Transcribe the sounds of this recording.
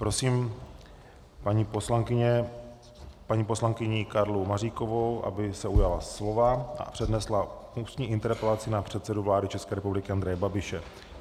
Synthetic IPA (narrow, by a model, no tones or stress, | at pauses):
pɾo̞siːm | paɲiposlaŋkɪɲɛ | paɲiːpo̞slaŋkɪɲɪkaɾlumariːko̞vowʔa̰bɪsɛujalaslo̞vaʔa̰pr̝̥ɛdnɛsla | uːst̪ɲiːʔɪnt̪ɛɾpɛlatt͡sɪnapr̝̥ɛt̪sɛduvlaːdɪt͡ʃɛskɛːɾɛpublɪkɪʔand̪ɾɛjɛbabɪʃɛ